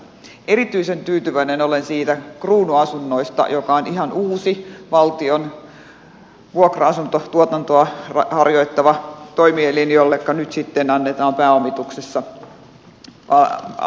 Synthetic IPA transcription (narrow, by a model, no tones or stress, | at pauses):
ʔeɾit̪yisent̪yːt̪yʋæinenolensiːt̪ækruːnuɑsunːoist̪ɑ̰jokɑonihɑnuːsiʋɑlt̪ion | ʋuokroɑsunt̪ot̪uot̪ɑnt̪oɑrɑhɑrjoit̪ːɑʋɑt̪oimieliniolːekːɑnyt̪sit̪ːenɑnːet̪ɑːmpæːomːit̪uksesːɑ | ɑ